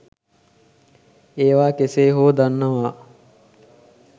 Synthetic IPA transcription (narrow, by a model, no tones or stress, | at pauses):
eːʋaːkeseːɦoːd̪anːɐʋaː